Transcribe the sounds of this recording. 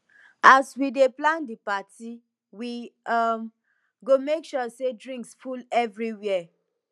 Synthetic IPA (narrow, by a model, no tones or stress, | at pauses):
aswideplãndipati | wiam | ɡomekʃɔsedɹĩŋksfulɛvɹiwɛɛ